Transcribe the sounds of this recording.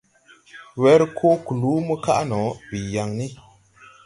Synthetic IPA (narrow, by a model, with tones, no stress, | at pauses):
wɛ˨˦ɾkʰo˦ku˨lu˨˦mə˦ka̰˦ʔnɔ˨˦bi˨ja˨ŋni˦